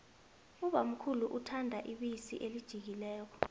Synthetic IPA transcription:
uɓam̩kʰuluʔutʰandʱaʔiɓisiʔelid̥ʒ̥ʱik̬ilɛːk̬ɔ̥

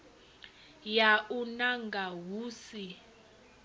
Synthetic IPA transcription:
jaunaŋɡaɦuːsi

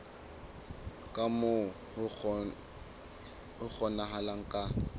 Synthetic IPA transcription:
kʼamʊ | ʊk͡xʰɔnaɦalaŋ̩kʼa

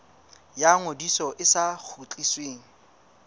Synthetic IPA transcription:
jaŋodisɔʔɪsak͡xʰut͡ɬʼisweːŋ̩

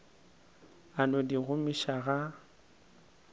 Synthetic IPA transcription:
anɔdiɣʊmiʃaɣa

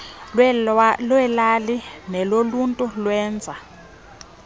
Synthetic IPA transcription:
lwɛlalinɛloluntʼulwɛːnd͡zʱa

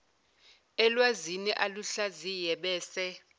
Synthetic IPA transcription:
ɛlwaziniʔaluɬazijɛɓɛːsɛ

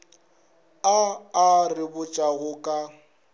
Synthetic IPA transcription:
aːrɪbʊt͡ʃʼaɣʊkʼa

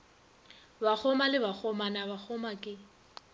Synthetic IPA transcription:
bak͡xʰɔmalɪbak͡xʰɔmanabak͡xʰɔmakʼɪ

